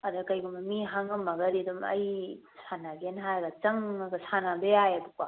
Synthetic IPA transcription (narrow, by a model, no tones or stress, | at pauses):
ɐdɐkɐjɡumɐmiɦaŋɐmːɐɡɐɾidumɐ̰j | sanaɡenɦajɡɐt͡ʃɐŋɐɡɐsanabeajɐduk̚a